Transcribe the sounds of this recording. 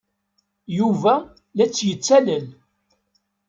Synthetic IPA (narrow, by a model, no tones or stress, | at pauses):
juvæ | læt͡sːjət͡sːæləl